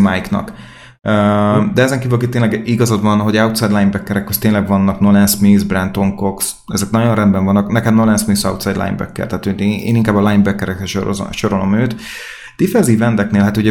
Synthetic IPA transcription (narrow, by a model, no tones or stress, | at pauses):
majiknɒ̰k | ød̪ɛɛzɛŋkiːvylkikt̪eːnlɛɡiɡɒzod̪vɒnɦo̞ɟɛut̪sɛjd̪lajnbɛkːɛɾɛkːøst̪eːnlɛɡvɒnːɒknolɛnsmizbrɛnt̪oŋko̞ks | ɛzɛk̚nɒɟo̞nrɛnbɛɱvɒnːɒknɛkɛmnolɛnsminsɒwt̪sɛjd̪la̰j̰nbɛ̰kːɛ̰lt̪ɛɦːt̪ʰojḛːniŋkaːbɒlajnbɛkːɛɾɛkrɛʃʃo̞ɾolo̞møːt̪ | d̪ifɛnziːvɛnd̪ɛkneːlɦaːt̪uɟɛ